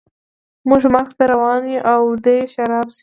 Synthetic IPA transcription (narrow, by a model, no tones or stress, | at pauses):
mʊʒmaɾxt̪aɾawɑniʔawd̪eʃaɾɑbs